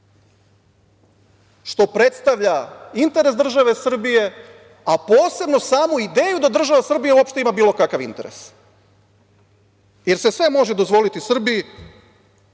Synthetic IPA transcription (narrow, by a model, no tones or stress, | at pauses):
ʃt̪o̞pɾe̞t̪st̪aʋʎaint̪e̞ɾe̞sd̪r̩ʒaʋe̞sr̩bije̞ | apo̞ːse̞bno̞saːmuid̪e̞ːjud̪ad̪r̩ʒaʋasr̩bijauo̞pʃt̪e̞imabiːlˠo̞kakaʋḭnt̪e̞ɾe̞̰s | jeɾse̞sʋe̞mo̞ʒed̪o̞zʋo̞lit̪isr̩biji